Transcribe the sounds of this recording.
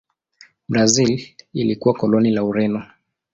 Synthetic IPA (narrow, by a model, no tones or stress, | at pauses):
bɾazililikuwakɔlɔnilauɾɛnɔ